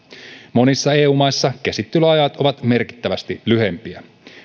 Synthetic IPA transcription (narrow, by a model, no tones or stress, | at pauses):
mo̞nisːɑe̞ːuːmɑjsːɑk̟esit̪ːyløɑjɑt̪o̞ʋɑt̪me̞rki̥t̪ːæʋæst̪ilyɦe̞mpiæ